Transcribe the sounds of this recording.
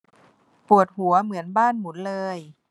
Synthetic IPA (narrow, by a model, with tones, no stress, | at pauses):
pu˨˩ət̪̚hu˩˦ɐmɯ˩˦ənbaː˥˩nmu˩˦nlɤː˧j